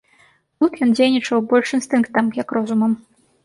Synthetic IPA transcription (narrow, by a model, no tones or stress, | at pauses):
t̪ut̪jɔnd͡zʲejnʲit͡ʂɐwbɔlʲʂinst̪ɨnkt̪ɐmjɐkrɔzumɐm